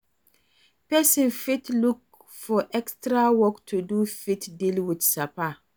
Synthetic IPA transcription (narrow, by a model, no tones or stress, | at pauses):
pɛsĩnfitluk̚ | fɔʔɛkstɾawɔktʰudufitdilwɪdsapa